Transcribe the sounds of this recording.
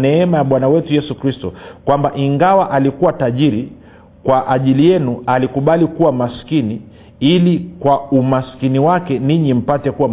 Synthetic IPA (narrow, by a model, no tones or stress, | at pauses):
nɛɛmajaɓwanawɛtujɛsukɾistɔkwambaʔiŋɡawaʔalikuwataʄiɾi | kwaʔaʄilijɛnualikuɓalikuwamaskini | ilikwaumaskiniwakɛniɲim̩patɛkuwam